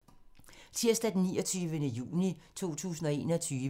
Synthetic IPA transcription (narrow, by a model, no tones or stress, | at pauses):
t͡sʰiɐ̰sd̥æd̥nːiːɒt͡sʰyːʋənəjṵːnit͡sʰo̝̰ːt͡sʰṵːsn̩ɒ̽e̝̰ːnɒt͡sʰyːʋ